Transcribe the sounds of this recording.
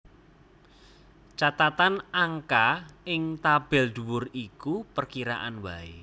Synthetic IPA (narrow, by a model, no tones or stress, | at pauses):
t͡ʃat̪at̪anaŋkaɪŋt̪ab̥ɪlɖ̪̥ṳwʊrikupərkiɾa̰ʔanbae